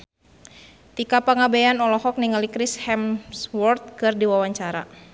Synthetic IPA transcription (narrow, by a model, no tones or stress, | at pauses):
t̪ikapaŋabejanɔlɔhɔk̚niŋalikɾishɛmswɔrt̪̚kɨrdiwawaɲt͡ʃaɾa̰